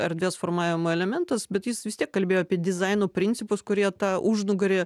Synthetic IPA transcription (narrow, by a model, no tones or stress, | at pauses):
ɛɾd̪ʋʲeːsfoːɾmɑːʋʲɪmoːɛlʲɛmʲɛnt̪ɐsbʲɛt̪jɪsʋʲɪst̪ʲiɛkkɐlʲbʲeːjoɑpʲiɛd̪ʲɪzɐɪnoːpʲɾʲɪnʲsʲɪpʊskʊɾʲiɛt̪ɑːʔuʒnʊɡɐɾʲeː